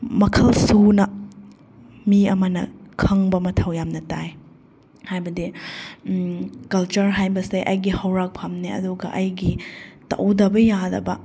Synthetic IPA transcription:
mɐkʰɐlsunɐ | miɐmɐnɐ̰kʰɐŋbɐmɐtʰɐwjamnɐtaj | hajbɐdi | kɐlt͡ʃɐɾɦajbɐseʔɐjɡihɐwɾak̚pʰamneɐ̰duɡɐ̰ʔɐjɡitɐ̰wdɐbɐjadɐ̰bɐ

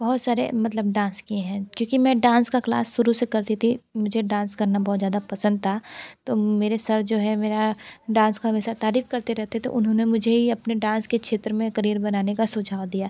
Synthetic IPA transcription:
bɐɦʊt̪saːɾḛmɐt̪ləbɖãːnskieɦɛ̃kjõːkimɛ̃ːɖãːnskakla̰ːsːʊɾusekɐɾt̪it̪ʰimʊd͡ʒʱeɖãːnskɐɾnabɔːt̪zjaːd̪apɐsə̃nd̪̚t̪ʰat̪oːmeːɾesɐɾd͡ʒoːɦɛmeːɾaɖãːnskaɦɐmɛːsat̪aːɾiːfkɐɾt̪eɾɛɦt̪et̪o̰ʔʊnɦõnemʊd͡ʒʱeɦiɐpneɖãːnskekʃʰeːt̪ɾəmẽkɐɾiːɾbɐnaːnekasʊd͡ʒʱaːʋd̪ijaː

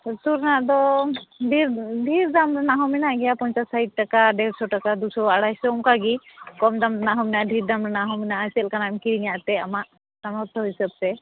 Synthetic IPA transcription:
t̪uɾnaʔd̪ɔɖʱiɾɖʱiɾdamɾɛnaɦɔminaɡɛjapɔɲt͡ʃasajʈ̚ʈːakaɖɛɾsɔʈakad̪usɔbaaɽajsɔumkaɡikɔmd̪amɾɛnaɦɔminaʔɖʱiɾd̪amɾɛnaɦɔminaʔasɛlkanamkiɾinijaʔt̪ɛamaʔ | samɔɾt̪ʰɔɦisəb̚t̪ɛ

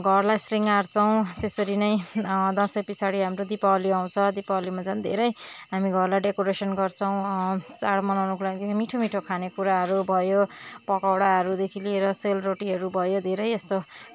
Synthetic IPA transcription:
ɡʱʌrlajsriŋaɾt͡sʰʌw̃t̪esʌɾinʌjd̪ʌ̃sʌjpit͡sʰaɽiɦamrod̪ipaoliaw̃t͡sʰʌd̪ipaolimad͡zʌnd̪ʱḛɾʌj | ɦamiɡʱʌrlajɖekoɾesʌnɡʌrt͡sʰʌw̃t͡saɽmʌnawnukolaɡd̪emiʈʰomiʈʰokʰanekuɾaɦʌɾubʱʌjo | pʌkawɽaɦʌɾud̪ekʰilieɾʌselroʈiɦʌɾubʱʌjod̪ʱeɾʌjest̪o

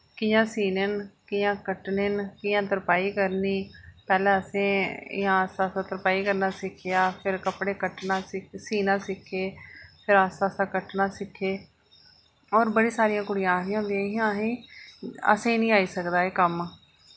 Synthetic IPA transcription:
kɪjãːsiːnenkɪjãːkəʈneːnkɪjãːt̪əɾpaːiːkəɾniːpɛːlɛ̃ːəsẽːɪ̰jãːəsaːsãːt̪əɾpaːiːkəɾnaːsɪkʰːɪjaːpʰɪɾkəpɽeːkəʈnaːsɪsiːnãːsɪkʰːeːpʰɪɾaːsaːsãːkəʈnãːsɪkʰːeː | oːɾbəɽiːsaːɾɪjãːkʊɽɪjãːɾɪjãːnd̪iãːɪãːɦĩː | ə̰sẽːnĩːaːiːsəkd̪aːeːkəm

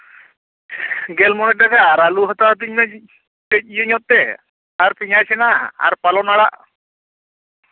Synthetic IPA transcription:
ɡɛlmɔnɛakaɾaluɦət̪at̪̬iɲna | t͡ʃəc̚ˀijəɲɔt̪̚ːɛ | aɾpiɲajsɛnaa̰ɾpalɔnaɽaʔ

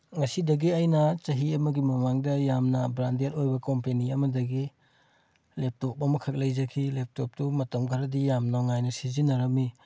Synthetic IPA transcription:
ŋɐsidɐɡiɐjnɐt͡ʃɐɦiɐmɐɡimɐmaŋdɐjamnɐbɾandeɾojbɐkompeniɐmɐdɐɡi | lep̚top̚ɐmɐkʰɐk̚lɐjzɐkʰilep̚top̚tumɐtɐmɡʰaɾɐdijamnoŋajnɐsizinɐɾɐmːi

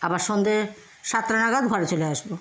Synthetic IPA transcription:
abaɾʃond̪e | ʃat̪ːɾanaɡad̪ɡʱɔɾet͡ɕoleaʃbo

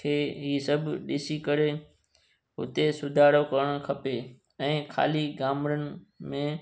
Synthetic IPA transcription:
kʰeːɦiːsəbʱɗɪsikəɾe | ɦʊ̰t̪esʊd̪ʱaːɾokəɾɽ̃kʰɐpe | ɛ̃ːkʰa̰ːliɡaːmɾənɪ̆mẽ

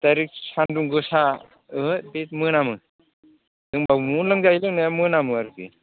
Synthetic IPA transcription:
taɾik̚sʰanduŋɡɯsa | ɯbit̚mɯnamɯ | dɯŋbamunlɯŋd͡ʒajlɯŋnɯjamɯnamɯaɾki

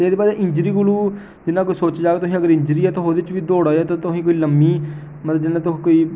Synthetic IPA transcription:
eːd̪eːpaːseʔɪ̃ɲd͡ʒɾiːɡʊluː | d͡ʒɪnãːkoiːsoːt͡ʃd͡ʒaːɡeːt̪ʊsĩːəɡəɾɪ̃ɲd͡ʒɾiːɛt̪ʰõɦoːd̪eɪt͡ʃʋiːd̪oːɽaːɛːt̪õːt̪ʊsĩːkoːiːləmːiː | mət̪ləbd͡ʒɪnãːt̪ʊɦːkoːiː

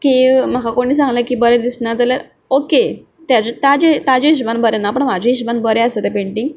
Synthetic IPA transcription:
kim̤akakoɽ̃iːs̬ãŋɡlakiːbəɾẽd̪isnad͡zalaɾ | oke | t̪jat͡ɕet̪jad͡ʑet̪ad͡ʑeiɕbanbəɾɛnapəɳmad͡ʑʱĩiɕbanbəɾeəset̪epeɳʈiŋɡ

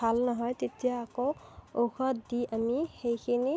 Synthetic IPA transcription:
alnɔɦɔjtetijaːkooxɔtdiʔamixejkʰini

